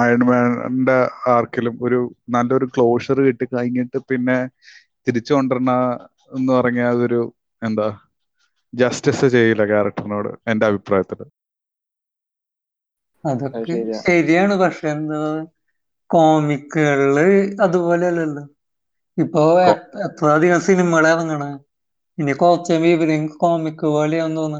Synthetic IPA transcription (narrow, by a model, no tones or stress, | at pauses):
ɐjɐɳɖmeːn̰ɖeaːrkilumo̞ɾunɐlːɐoɾukɭo̞ːʂɐrɨkiʈːikɐɻiŋːiʈːɨpinːe̞ | t̪iɾit͡ɕːɨkoɳɖɐɳːɐ | e̞nːɨpɐrɐŋːijaɐðo̞ɾu | e̞nd̪aː | d͡ʑɐstisɨt͡ɕe̞jːilːɐkaːɾɐk̚ʈɐrno̞ːɽɨ̰endeɐbʱipraːjɐt̪ːil | ɐðokːeɕɐɾijaːɳɨpɐkʂeend̪aːɨ | ko̞ːmikːuɣɐɭɨɐðubo̞ːleɐlːɐlːo | ipːo̞ːeet̪rɐɐd̪ʱiɣɐmsinimɐɭeɐrɐŋːaːɳɐ | pinːekurɐt͡ɕːambiːbɐɾiŋko̞ːmikːɨbo̞ːlejaonːuɐnːɨ